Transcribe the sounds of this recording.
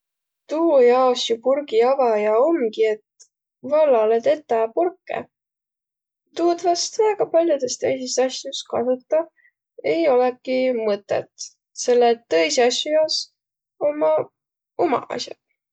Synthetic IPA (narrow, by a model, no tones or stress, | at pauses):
t̪uːjɑːsjupurɡiɑvɑjɑomɡie̞t̪ | vɑlːɑlet̪e̞t̪ːˑɑpurkːˑe̞̰ | t̪uːd̪vɑst̪væeɡ̥ɑpɑlʲjud̪̥e̞st̪ejsist̪ɑsjuskɑsut̪ːˑɑ | e̞jo̞lekːˑimɤt̪ːˑḛt̪ | se̞lːet̪ːɤjsɑsʲjujɑːs | o̞mːɑ | omɑ̰ɑ̰sʲjɑ̰